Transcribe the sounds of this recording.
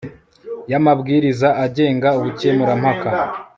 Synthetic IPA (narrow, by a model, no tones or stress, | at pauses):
jamabɡiːɾizaʔːɟe̞ːŋɡauβucemuɾamhaka